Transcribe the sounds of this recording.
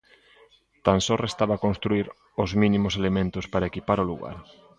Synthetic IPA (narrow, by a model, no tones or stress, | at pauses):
t̪ansorest̪aβakõnst̪ɾuiɾ | ʊzmĩnimʊselemẽnt̪ʊspaɾaekipaɾolṵɣa̰ɾ